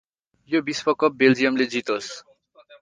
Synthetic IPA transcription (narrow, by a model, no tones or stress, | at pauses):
jobisbʌkʌp̚beld͡zijʌmled͡zit̪os